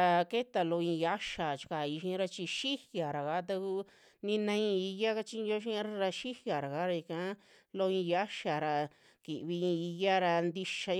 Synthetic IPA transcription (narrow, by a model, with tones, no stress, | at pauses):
a˧ke˦t̪a˧lo˧ĩ˧ja˦ʃa˨t͡ʃi̥˧ka˧˨i˧ʃĩ˧˦ɾa˧t͡ʃi˧ʃi˦hja˨ɾa˨ka˧˦t̪̬a˧ku˦ | nĩ˧nã˧ĩ˧i˧ja˦ka˦t͡ʃi˧˦˧o˦ʃ̬i˦ɾa˧ɾa˧ʃi˦hja˨ɾa˨ka˨˦ɾa˧i˧kã˧˦ | lo˧ĩ˧ja˦ʃa˨ɾa˧ | ki˨ʔβi˧ĩ˧i˧ja˦ɾa˧nd̪i˧ʃa˧